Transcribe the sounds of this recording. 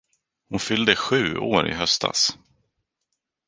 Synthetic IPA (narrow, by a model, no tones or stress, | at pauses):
hʊnfʏld̪əɧʉ̟ːoːɾɪ̰ɦœst̪a̰s